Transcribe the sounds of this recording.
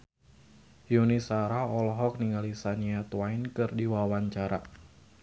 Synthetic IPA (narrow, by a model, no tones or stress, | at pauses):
junisaɾaɔlɔɦɔk̚niŋalisaniat̪uajnkɨrdiwawaɲt͡ʃaɾa